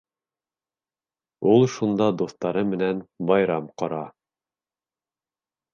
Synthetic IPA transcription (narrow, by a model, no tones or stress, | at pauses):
ulˠʃund̪ɑd̪uθt̪ɑɾɤmɘ̆nænbɑjɾɑmqɑɾɑ